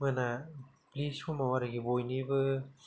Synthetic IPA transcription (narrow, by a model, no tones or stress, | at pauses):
mɯna | pliskʰumawaɾaɡibojnibɯ